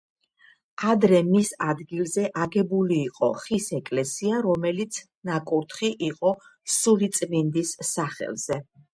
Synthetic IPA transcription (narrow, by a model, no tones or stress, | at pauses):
ad̪ɾɛmisad̪ɡilˠzɛʔaɡɛbuliːqʼɔ̰χisɛkʼlɛsiaɾɔmɛlit̪sʰ | nakʼuɾt̪ʰχiʔiqʼɔsulit̪sʼvind̪isːaχɛ̰lz̥ɛ